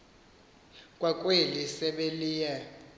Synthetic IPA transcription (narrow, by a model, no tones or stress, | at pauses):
kʼwakʼwelisɛɓeliːjɛ